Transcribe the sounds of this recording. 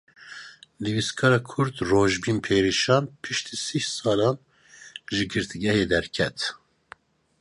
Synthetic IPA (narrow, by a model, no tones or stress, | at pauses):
niviskʰɑːɾɑːkʰʊɾt̪roːʒbiːnpʰeːɾiʃɑːnpʰɨʃt̪ʰiːsihsɑːlɑːn | ʒɨɡɨɾt̪ʰɨɡɛheːd̪ɛɾkʰɛt̪